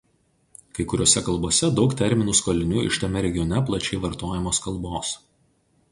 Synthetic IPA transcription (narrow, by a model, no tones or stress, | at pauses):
kɐɪkʊɾʲoːsʲɛkɐlˠboːsʲɛd̪ɒʊkt̪ʲɛɾʲmʲɪnuːskoːlʲɪnʲuːɪ̰ʃt̪ɐmʲɛɾʲɛɡʲɪjɔnʲɛplˠɐt͡ʃʲɛɪʋɐɾt̪oːjɛmoːskɐlˠˑboːs